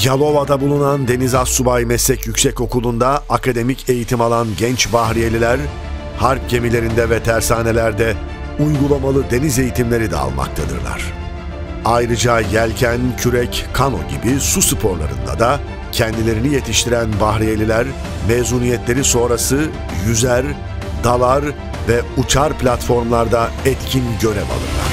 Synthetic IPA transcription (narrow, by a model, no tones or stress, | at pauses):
jalˠo̞vad̪abulˠunand̪e̞nizasːubajmɛsːɛcjycʲsɛco̞kulˠund̪aakʰad̪e̞micʰe̞jit̪ʰimalˠanɟɛnt͡ʃbahɾijelʲilʲæɾ | haɾp̚ɟe̞milʲe̞ɾind̪ɛvɛt̪ʰæɾsaːne̞lʲæɾd̪ɛ | ujɡulˠamalˠɯd̪e̞nize̞jit̪ʰimlʲe̞ɾid̪ɛ̰a̰lˠma̰k̚t̪ʰad̪ɯ̰ɾlˠa̰ɾ̥ | ajɾɯd͡ʒajælʲcʰæncʰyɾɛckʰːano̞̰ɟḭbisusɯpʰo̞ɾlˠa̰ɾɯ̰nd̪a̰d̪a | cʰɛnd̪ilʲe̞ɾinije̞t̪ʰiʃt̪ʰiɾænbaɦɾijelʲilʲæɾ | mezuːnijɛt̪lʲe̞ɾiso̞ːɾasɯ | jyzæɾ | d̪alˠaɾ | vɛut͡ʃʰaɾplʲat̪fo̞ɾmlˠaɾd̪aɛt̪cʰinɟø̞ɾɛva̰lˠɯ̰ɾlˠa̰ɾ̥